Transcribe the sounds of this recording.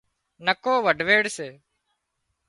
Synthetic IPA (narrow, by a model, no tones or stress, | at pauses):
nəkoːʋəɖʋeːɽseː